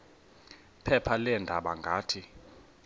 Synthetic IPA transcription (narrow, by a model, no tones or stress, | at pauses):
pʰɛpʰalɛndʱaɓaŋɡʱaːtʰi